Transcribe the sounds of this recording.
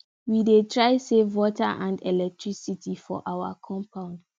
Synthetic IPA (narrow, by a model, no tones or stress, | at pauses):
widetʰɹaɪsevwɔtaʔãndɛlɛk̚tʰɹisitʰifɔ̰ʔawa̰kʰɔ̃mpʰãʊ̃nd